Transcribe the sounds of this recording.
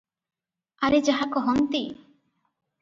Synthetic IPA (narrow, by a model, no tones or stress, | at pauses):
aɾed͡ʒaɦakɔɦɔnt̪i